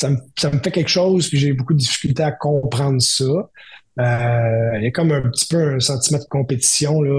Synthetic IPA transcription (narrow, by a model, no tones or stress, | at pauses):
samsaməfɛkʲɛlkʃɔʊzpiʒebukud̪əd̪ifi̥kʲylt̪eakɔ̃pχɑ̃ːd̪ʁsʌ | øjʌkɔmɛ̃pt̪i̥pøɛ̃sɑ̃t̪imɑ̃d̪əkɔ̃pet̪i̥sjɔ̃lɔ